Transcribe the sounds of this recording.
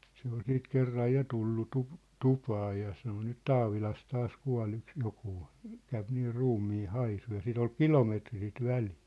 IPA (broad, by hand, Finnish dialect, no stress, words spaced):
se ol siːt kerːɑj jɑ tulːu tup tupɑː jɑ sɑno nyt tɑːʋilɑs tɑːs kuɑ̝l yks jokuː kæyp niː ruːmːiː hɑisu jɑ sit ol kilometri sit ʋæli̥ː